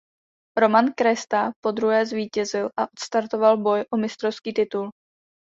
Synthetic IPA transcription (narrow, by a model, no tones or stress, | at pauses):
ɾo̞mankɾɛst̪apo̞d̪ɾuɦɛːzviːcɛzɪlʔaʔot̪st̪aɾt̪o̞valbo̞jʔomɪst̪ɾofskiːt̪ɪt̪ul